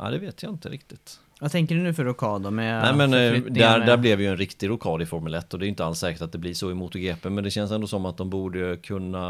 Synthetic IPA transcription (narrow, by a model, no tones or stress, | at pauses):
ʔa̰d̪ɛveːt̪ʰjaɪnt̪əɾɪk̚t̪ɪt̪ | vat̪ʰɛŋkəɖɵnʉ̟ːfœɾʊkʰɑːd̪ɔmɛnɛːmɛnd̪æd̪æɾblɛvɛjɵɛnɾɪkt̪ɪɾʊkʰɑːd̪ɪfɔɾmɵlɛt̪ːɔd̪ɛːɾʏɪnt̪əalt̪sɛːkəʈat̪̚d̪ɛblɪʂɔɛmuːt̪ʊɡeːpəmɛnd̪ɛɕɛns̬ɛnd̪ɔsɔmːat̪̚d̪ɔmbuːɖəkʰɵnːa